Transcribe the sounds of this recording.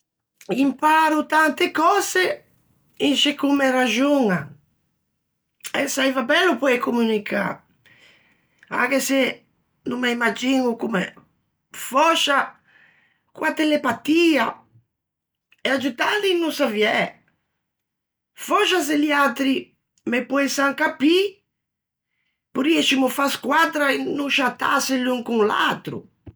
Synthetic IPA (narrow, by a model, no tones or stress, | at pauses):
impaɾut̪ant̪ekɔse | inʃekumeɾaʒuŋa | ɛ̰sajvabɛlːupɔɛkomunikʰa̰ | a̰kese | numaimad͡ʒiŋukumḛ | fɔʃa | kwat̪ɛlepat̪ia | ɛad͡ʒut̪alinːusaviɛ | fɔʃas̬eliat̪ɾi | mepɔɛsaŋkapi | puɾiɛʃimufaskwat̪ɾainːuʃat̪aseluŋkuŋla̰t̪ɾṵ